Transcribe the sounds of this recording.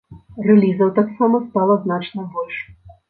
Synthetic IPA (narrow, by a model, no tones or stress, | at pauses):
rɛlʲizɐwt̪aksamɐst̪alˠɐznat͡ʂnɐbɔlʲʂ